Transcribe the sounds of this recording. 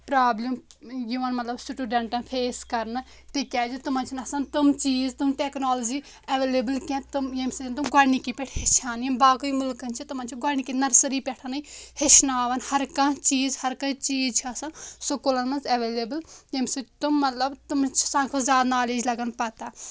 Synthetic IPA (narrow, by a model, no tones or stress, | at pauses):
pɾaːblimjuʋɐnmɐt̪lɐbsiʈuːɖɐ̃ɳʈɐ̃ːnpʰeːskɐɾn | t̪ikʲɛːd͡ʒut̪ʊmɐ̃nt͡ʃʰinɐsãnt̪umt͡ʃiːzt̪ʊmʈeːknaːlod͡ʒiː | ɐʋeːleːbəlkʲɛ̃ːt̪umjemsid͡ʒnt̪̬umɡaːnikipeʈʰɦɪt͡ʃʰaːnjibaːkuiːmʊlkɐnt͡ʃʰit̪umaːnt͡ʃʰiɡaːniːkinɐɾsəɾiːpɛʈʰɐnɐihɪʃʰnaːʋɐnhɐɾkãːt͡ʃiːzhɐɾkɐt͡ʃiːzt͡ʃʰɐsansoːkolɐnmɐnzɐʋeːleːbəljemsit̪umːɐt̪ləbt̪ʊmt͡ʃʰsãːkʰozjaːd̪naːleːd͡ʒlɐɡənpɐt̪aː